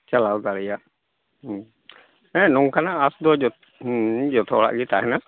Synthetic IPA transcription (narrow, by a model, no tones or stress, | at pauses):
t͡ʃalawd̪alɛjaʔ | ɛ̃nɔŋkanaːsd̪ɔd͡ʒɔ | d͡ʒɔt̪ʰɔɔɽa̰ʔɡɛt̪aɦɛna